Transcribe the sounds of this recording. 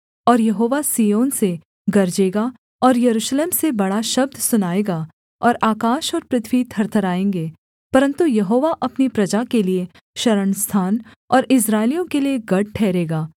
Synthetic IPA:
ɔːɾjɐɦoːʋasijoːnse | ɡɐɾd͡ʒeːɡa | ɔːɾjɐɾuːʃleːmsebɐɽaʃɐb̚d̪ʱsʊnaːeːɡa | ɔːɾaːkaːʃɔːɾpɾɪt̪ʰwiːt̪ʰɐɾt̪ʰəɾaːẽːŋɡeː | pɐɾə̃nt̪ujɐɦoːʋaʔɐpnipɾɐd͡ʒakelie | ʃɐɾəɳst̪ʰaːn | ɔːɾɪs̬ɾaːɪlijõkelieɡɐɽ̚ʈʰɛːɾeːɡaː

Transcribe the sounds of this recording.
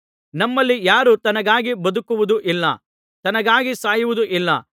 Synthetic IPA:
nɐmːɐlːijaːɾut̪ɐnɐɡaːɡibɐd̪ukuʋud̪uʔilːɐ̰ | t̪ɐnɐɡaːɡisaːjuʋud̪uʔilːɐ̰

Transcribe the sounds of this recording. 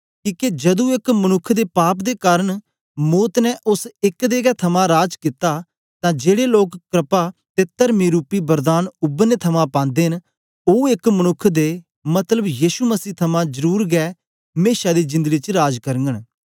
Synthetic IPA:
kiːked͡ʒɐd̪ũɪkmənʊkʰːd̪eːpaːpd̪eːkaːɾəɳ̃ | moːt̪nɛʔʊsɪkd̪eːɡɛːt̪ʰəmãːɾaːd͡ʒkɪt̪aː | t̪ãːd͡ʒeːɽeːloːkkɾɪpaːt̪eːt̪əɾmĩɾuːpiːbəɾd̪aːnʊbnet̪ʰəmãːpãːnd̪eːɦn | õːɪkmənʊkʰːd̪eː | mɐt̪ləbjiːʃuməsiːt̪ʰɐmãːzəɾuːɾɡɛː | meːʃaːd̪iːd͡ʒɪ̃nd̪əɡiːt͡ʃɾaːd͡ʒkəɾəŋɡəɳ

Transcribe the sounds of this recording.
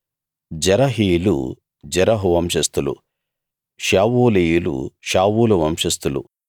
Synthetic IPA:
d͡ʒɐɾɐɦiːlṵ | d͡ʒɛɾɐɦuʋɐmʃɐst̪ulṵ | ʃaːʋuːlijulṵʃaːʋuːluʋɐmʃɐst̪ulṵ

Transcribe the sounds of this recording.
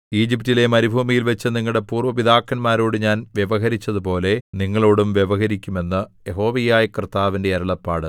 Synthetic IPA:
iːd͡ʑiptile̞mɐɾibʱuːmijilʋɐt͡ɕːɨniŋːɐɭɽe̞puːrʋɐʋiðaːkːɐnmaːɾoːɽɨɲaːnʋjeʋɐɦɐɾit͡ɕːɐðupo̞ːle̞niŋːɐɭo̞ːɽumʋjeʋɐɦɐɾikʲːume̞nːɨjeɦo̞ːʋijaːjikrɨt̪ːaːʋinde̞ɐɾɐɭɐpːaːɽɨ

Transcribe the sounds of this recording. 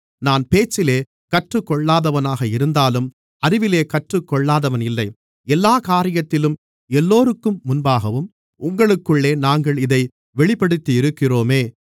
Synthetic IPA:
naːnpeːt͡ʃːɪleː | kɐʈrɯkːɔɭːaːðɐʋɐnaːɣɐɪɾɯnd̪aːlɯm | ɐɾɪʋɪleːkɐʈrɯkːɔɭːaːðɐʋɐnɪlːɐɪ | ɛlːaːkaːɾɪjɐt̪ːɪlɯm | ɛlːoːɾɯkːɯmːʊnbaːɣɐʋɯm | ʊŋɡɐɭɯkːɯɭːeːnaːŋɡɐɭɪðɐɪ | ʋɛɭɪpːɐɽɯt̪ːiɪɾɯkːɪroːmeː

